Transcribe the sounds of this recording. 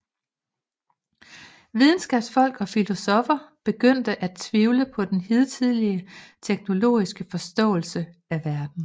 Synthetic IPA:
ʋið̞ˠn̩sɡ̥ɛb̥sfɒ̽l̰ɡ̥ɒ̽filo̝sɒ̽fɐb̥e̝ɡ̥øn̰d̥əʔæt͡sʰʋiʊləpʰɒ̽d̥enhiðˠt͡sʰiðˠliət͡sʰeɡ̥no̝lo̝̰ːisɡ̥əfɒ̽sd̥ɔ̰̽ːl̩səæʋæɐd̥n̩

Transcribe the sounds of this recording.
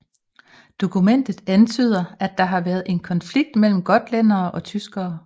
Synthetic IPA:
d̥o̝kʰumen̰d̥ð̩ˠænt͡sʰy̰ːð̞ˠɐæd̥ɑ̈ɦɑ̈ʋæːɐð̞ˠe̝nkʰɒ̽nfliɡ̥̚d̥mel̰m̩ɡ̥ɒ̽d̥len̰ɐːʔɒ̽t͡sʰysɡ̥ɐː

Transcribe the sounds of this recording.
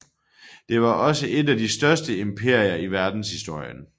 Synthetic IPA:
d̥e̝ʋɑ̈ʔɒ̽səʔe̝dæd̥isd̥ɶɐsd̥əempʰe̝ɐ̰iɐiʋæɐd̥n̩shisd̥o̝ɐ̰jən

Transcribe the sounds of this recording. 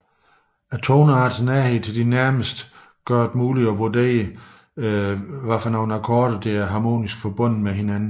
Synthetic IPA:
æt͡sʰoːnɑd̥snæɐɦet͡sʰe̝ld̥inæɐməsd̥ | ɡ̥ɶɐ̰d̥muːlidɒʋoɐd̥ḛːɐ | ʋɑfænɑʊnækʰɒːɾ̥ɐd̥e̝æɐɦɑ̈mo̝̰ːnisɡ̥fɒ̽b̥ɔ̽n̰̩meɦe̝nænn̩

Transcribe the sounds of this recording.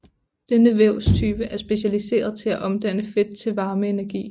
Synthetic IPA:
d̥enəʋeʊst͡sʰyːb̥əʔæɐsb̥e̝ɕælise̝̰ːɐð̞ˠt͡sʰe̝læʔɒ̽md̥æn̰əfe̝d̥̚t͡sʰe̝lʋɑ̈ːməe̝næɐɡ̥ḭː

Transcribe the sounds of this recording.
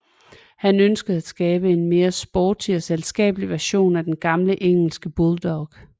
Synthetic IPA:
hænønsɡ̥əð̩ˠæd̥sɡ̥ɛːb̥əe̝nme̝ːɐsb̥ɒt͡sʰiɒselsɡ̥ɛ̰ːb̥əliʋæɐɕo̝̰ːnæd̥enɡ̥ɑ̈mləʔeŋ̰l̩sɡ̥əb̥uld̥ɒɡ̥

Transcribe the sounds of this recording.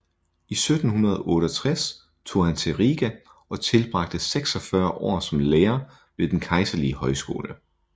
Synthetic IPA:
isød̥n̩ɦunɐð̞ˠɔ̽ːɾɒt͡sʰʁas | t͡sʰo̝̰ːhænt͡sʰe̝ʁiɡ̥æ | ɒ̽t͡sʰe̝lb̥ʁɑ̈ɡ̥̚d̥əseɡ̥sɒ̽fɶɐʔɒ̰ːsɒ̽mleːɐ | ʋe̝d̥enkʰɑ̈ɪsɐliəhɒ̽ɪsɡ̥o̝̰ːlə

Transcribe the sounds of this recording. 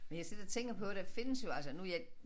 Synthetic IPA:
mmenjased̥ɐt͡sʰeŋ̰ɡ̥ɐpʰɒ̽ɾ̥efe̝nəsjo̝ælsənuja

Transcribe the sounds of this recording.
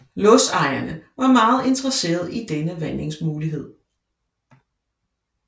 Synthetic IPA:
lɔsd̥ɑ̈ɪɐnəʋɑ̈mɑ̈ːð̞̩ˠe̝nt͡sʰəʁɐse̝̰ːɐð̞̩ˠid̥enəʋæne̝ŋsmuːliɦe̝ð̞̰ˠ

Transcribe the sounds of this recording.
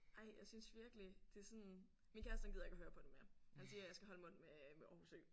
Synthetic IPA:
ʔɑ̈ɪ̰jɑ̈ɪsynsʋiɐɡ̥əlid̥e̝sɔ̽n | minkʰæɐsd̥hænɡiðˠɐeɡɒɦøːɐpʰɒ̽demeɐ̰hænsiːɐjɑ̈ɪsɡ̥æɦɒ̽ləmod̥memeɒ̰ːhusø

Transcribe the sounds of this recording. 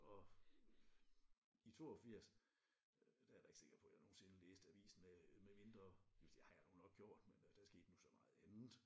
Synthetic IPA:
ɒ̽ | it͡sʰo̝̰ːɒfiɐ̰s | d̥ææɐjɑ̈e̝ɡ̥se̝ɡ̥ɐpʰɔ̰̽jano̝ːn̩se̝nəleːsd̥æʋḭːsmememe̝nd̥ʁɐud̥ehɑ̈jano̝ːn̩ɒ̽ɡ̥̚ɡ̥jo̝ɐ̰d̥mend̥ææɐsɡ̥e̝̰ːd̥nusɒ̽mɑ̈ːð̞̩ˠænð̩ˠ

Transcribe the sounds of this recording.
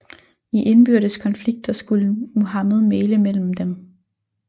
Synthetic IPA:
iʔe̝nb̥yɐɾ̥əskʰɒ̽nfliɡ̥̚d̥ɐsɡ̥uləmoɦɑmeð̞̩ˠmeːləmel̰m̩d̥em

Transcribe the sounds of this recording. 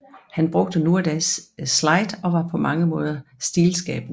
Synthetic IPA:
hænb̥ʁɔ̽ɡ̥̚d̥əno̝ɐd̥ɛsːlɑ̈ɪd̥ɒ̽ʋɑ̈pʰɒ̽mɑ̈ŋəmɔ̽ːð̞ˠɐsd̥ilsɡ̥ɛ̰ːb̥n̩

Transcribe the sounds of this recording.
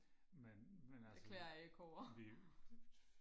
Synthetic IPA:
menmenælɐsəklɛ̰ːɐjɑekʰɔɐʋi

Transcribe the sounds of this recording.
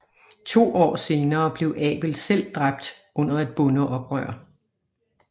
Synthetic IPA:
t͡sʰo̝̰ːɒ̰ːse̝ːnɐːb̥le̝ʊʔɛ̰ːb̥l̩sel̰d̥ʁab̥̚d̥ | ʔɔ̽n̰ɐæd̥̚b̥ɔ̽nɐʔɒ̽b̥ʁœːɐ̰

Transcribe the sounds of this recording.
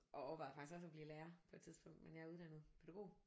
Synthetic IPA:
ʔɒ̽ɒːʋɑ̈ɪð̩ˠfɑ̈ɡ̥isɡ̥ɒ̽sɒb̥liːlɛːɐpʰɒ̽e̝d̥̚t͡siðˠsb̥ɔ̽ŋ̰d̥menjɑæɐuð̞ˠd̥æn̰ð̩ˠpʰød̥æɡo̝̰ː

